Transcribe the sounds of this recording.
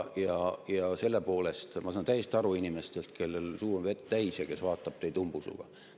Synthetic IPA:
jɑjɑse̞lːe̞po̞ːle̞st̪mɑsɑːnt̪æjːˑest̪ɑɾuinʲime̞st̪e̞lt̪ke̞lːelsuːonve̞t̪t̪æjsjɑke̞svɑːt̪ːˑɑb̥̚t̪ejt̪umb̥usṵɡ̥ɑ̰

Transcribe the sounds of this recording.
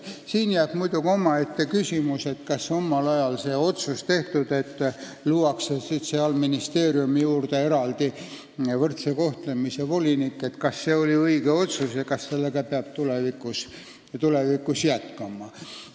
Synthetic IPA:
siːnjæːb̥mujd̪̥uɡio̞mɑe̞t̪ːe̞kysʲimuse̞t̪kɑso̞mːɑlɑjɑlse̞ːo̞t̪sust̪e̞ht̪ud̪̥e̞t̪ː | luːɑkseset̪seɑlminist̪e̞ːɾiumijuːrd̪̥ee̞ɾɑld̪̥i | vɤrt̪seko̞ht̪lemisevo̞lʲinikːe̞t̪kɑsːe̞ːolʲiɤiɡeo̞t̪susjɑkɑsse̞lːeɡ̥ɑpeɑb̥̚t̪ulevikːˑus | t̪ule̞vikːˑusjæt̪kɑmɑ

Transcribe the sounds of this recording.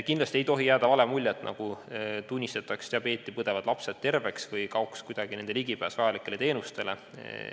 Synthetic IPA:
kind̪lɑsʲt̪ie̞jt̪o̞ɦijæːd̪̥ɑvɑlemulʲːet̪ːnʔɑ̰ɡ̥ut̪unʲːist̪et̪ːˑɑkst̪ɑpe̞ːt̪ːˑipɤd̪̥e̞vɑd̪̥lɑpsed̪̥̚t̪e̞rve̞ksvɤjkɑokskujd̪̥ɑɡ̥inend̪̥eliɡ̥ipæːsvɑjɑlikːˑe̞le̞t̪e̞ːnust̪e̞le

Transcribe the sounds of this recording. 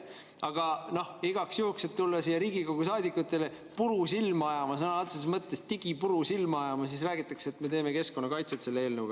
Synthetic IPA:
ɑɡ̥ɑno̞hiɡɑksjuhkse̞t̪t̪ːulːɑsijɑɾiːɡiko̞ɡ̥usɑːd̪ikːˑut̪ːˑe̞le̞ | puɾusilmɑɑjɑmɑsɤnɑɑlt̪sessmɤt̪ˑːe̞st̪iɡ̥ipuɾusilmɑɑjɑmɑs̬isræːɡit̪ːˑɑkseːt̪me̞t̪e̞ːme̞ke̞sko̞nːɑkɑjt̪set̪se̞lːeeːlnəwɡɑ

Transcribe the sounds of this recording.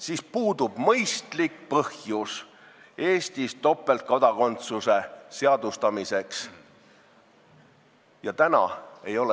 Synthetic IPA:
sispuːd̪̥ub̥mɤjst̪likpɤhjus | e̞ːst̪ist̪o̞pːˑe̞lt̪̚kɑd̪̥ɑko̞nt̪suse̞se̞ɑd̪̥ust̪ɑmise̞ks | jɑt̪ænɑ̰e̞jo̞l

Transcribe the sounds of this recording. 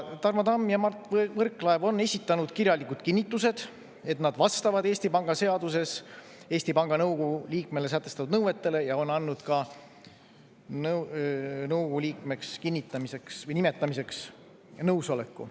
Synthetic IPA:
t̪ɑrmɑd̪ɑmːjɑmɑrt̪vɤrkːˑlɑevo̞nːe̞sʲit̪ˑːɑnud̪̥kirjɑlikːud̪̥kinːit̪ˑːuse̞d̪̥ | e̞t̪nɑd̪̥vɑst̪ɑvɑd̪e̞ːsʲt̪ipɑŋɡ̥ɑse̞ɑd̪̥use̞s | e̞ːsʲt̪ipɑŋɡ̥ɑnɤwkuuliːk̚melesæt̪ːˑe̞st̪ɑt̪ud̪nɤwe̞t̪ːe̞le̞jɑo̞nɑnːud̪̥kɑ | n | nɤwkulʲiːkme̞kskinʲːit̪ˑːɑmise̞ksvɤjnimet̪ːˑɑmise̞ks | nɤwso̞le̞kːṵ

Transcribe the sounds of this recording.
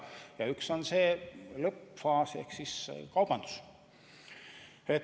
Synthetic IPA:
jɑykso̞nseːlɤpfɑːsḛhksiskɑwb̥ɑnd̪̥u̥s | et̪

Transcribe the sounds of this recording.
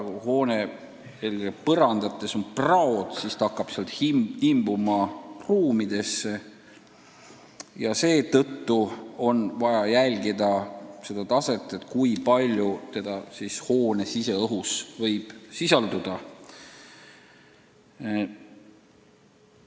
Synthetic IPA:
uho̞ːne | elɡepɤɾɑnd̪̥ɑt̪ːˑe̞so̞nprɑod̪̥sist̪ɑɑkˑːɑb̥seɑlt̪hihimbumɑruːmid̪̥e̞sːe̞ | jɑse̞ːt̪ɤt̪ːuo̞nvɑjɑjælʲɡid̪ɑse̞d̪̥ɑt̪ɑse̞t̪ːˑe̞t̪kujpɑlʲjut̪e̞d̪̥ɑsishoːne̞sise̞ɤɦusvɤ̞jb̥sisɑld̪ud̪̥ɑ

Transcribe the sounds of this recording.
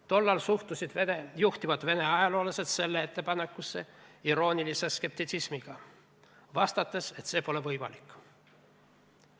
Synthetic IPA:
t̪o̞lːɑlsuht̪usid̪̥venejuht̪ivɑd̪̥ve̞ne̞ɑjɑlo̞ːlɑse̞d̪se̞lːee̞t̪ːe̞pɑnekːˑusːe̞iɾo̞ːnilise̞ske̞p̚t̪it̪sismiɡ̥ɑ | vɑst̪ɑt̪ːˑe̞se̞t̪se̞ːpo̞levɤjmɑ̰likːˑ

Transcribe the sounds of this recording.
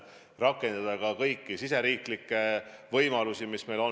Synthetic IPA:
rɑkːˑe̞nd̪̥ɑd̪̥ɑkɑkɤjkːˑisiseɾiːklikːˑe̞vɤjmɑlusimisme̞jlo̞

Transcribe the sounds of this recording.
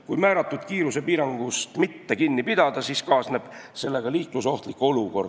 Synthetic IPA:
kujmæːɾɑt̪ːˑud̪̥kiːɾuse̞piːɾɑŋɡ̥ust̪mit̪ːe̞kinːipid̪̥ɑd̪̥ɑsiskɑːsneb̥se̞lːe̞ɡ̥ɑliːkluso̞ht̪likːˑo̞luko̞rd̪

